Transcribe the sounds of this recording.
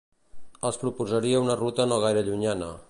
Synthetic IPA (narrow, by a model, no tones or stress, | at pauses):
əspɾupuzaɾiaunərut̪ənoɣ̞ajɾəʎuɲanə̰